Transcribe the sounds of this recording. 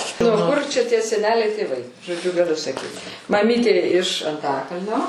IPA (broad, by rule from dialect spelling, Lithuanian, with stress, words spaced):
nuɔ ˈkʊr t͡ʃʲɛ ˈtʲiɛ sʲɛˈnʲæːlʲɛɪ tʲeːˈʋɐɪ ʒoːˈd͡ʒʲʊ ɡɐˈlʲʊ sɐˈkʲiːt mɐˈmʲiːtʲeː ɪʃ ɐnˈtɑːkɐlʲnʲoː